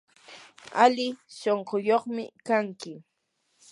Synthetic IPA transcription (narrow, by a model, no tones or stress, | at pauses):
alɪsoɴɢojoχmɪ̰kaŋkɪ